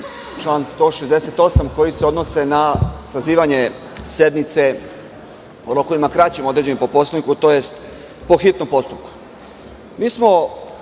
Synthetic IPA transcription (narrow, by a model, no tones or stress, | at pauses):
t͡ʃlaːnst̪o̞ʃezd̪eset̪o̞samko̞jiseo̞d̪no̞se̞nasaziːʋaɲe̞ | se̞d̪nit̪se̞ | uɾoko̞ʋimakɾat͡ɕemod̪ɾed͡ʑe̞nipo̞po̞st̪oikut̪o̞je̞st̪ | po̞xit̪nompo̞st̪up̚ku̥ | miːsmo̞